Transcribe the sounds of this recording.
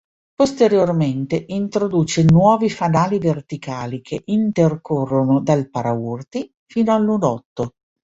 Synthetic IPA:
post̪eɾjorment̪eʔint̪ɾod̪uːt͡ʃenwɔːvifanaːlivert̪ikaːlikʰeʔint̪erkorːonod̪alpaɾaurt̪i | fiːnoalːunɔt̪ːo

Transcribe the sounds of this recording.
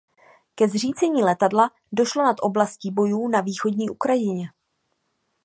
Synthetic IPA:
kɛzr̝iːt͡sɛɲiːlɛt̪adla | do̞ʃlo̞nat̪ʔo̞blasciːbo̞juːnaviːxo̞dɲiːʔukɾajɪɲɛ

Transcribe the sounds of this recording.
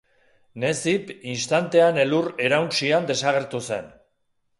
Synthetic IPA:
ne̞sipinst̪ant̪e̞ane̞lure̞ɾawnt͡ʃiand̪e̞saɣe̞ɾt̪use̞̰n

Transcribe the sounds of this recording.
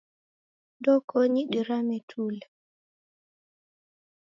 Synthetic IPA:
dɔkɔɲiɗiɾamɛtʰulɛ

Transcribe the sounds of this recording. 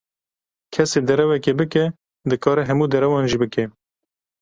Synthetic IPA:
kʰɛseːd̪ɛɾɛwɛkeːbɨkɛ | d̪ɨkɑːɾɛɦɛmuːd̪ɛɾɛwɑːnʒiːbɨkɛ

